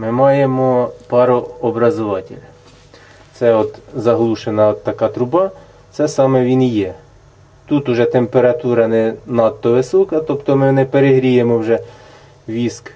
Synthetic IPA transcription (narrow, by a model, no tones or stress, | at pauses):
mɪmɑjemɔpɑɾɔɔbɾɐzʊʋɑtʲɪ̰lʲ | t̪sɛɔt̪zɐɦlˠuʃenɐɔt̪ːɐkɑt̪ɾʊbɑ | t̪sɛsɑmɛʋʲinjɛ | t̪ut̪ʊʒɛt̪empeɾɐt̪uɾɐnɛnɑt̪ːɔʋɪsɔkɐt̪ɔpt̪ɔmɪnɛpeɾeɦɾʲijemɔwʒɛ | ʋʲisk